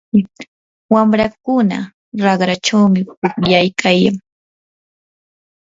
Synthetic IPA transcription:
wamɾakʊna̰ | ɾɑɢɾat͡ʃawmɪpʊkjajkʰajaŋ

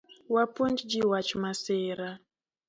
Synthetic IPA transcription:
wapund͡ʒd͡ʒiwat͡ʃmaseːɾa

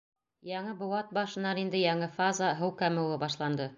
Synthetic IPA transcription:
jɑɴɤbŏwɑt̪̚bɑʃɤ̆nɑɾind̪ɘjɑɴɤfazɑɦɤwkæmɘ̆wɤbɑʃlˠɑnd̪ɤ

